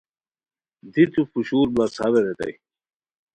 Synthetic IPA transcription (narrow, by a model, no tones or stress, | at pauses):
d̪it̪ufuɕuːɾblasaβeɾet̪ɐ̰j